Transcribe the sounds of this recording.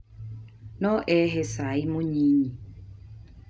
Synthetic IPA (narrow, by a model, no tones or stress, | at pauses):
nɔʔɛɦesaɪmoɲiɲi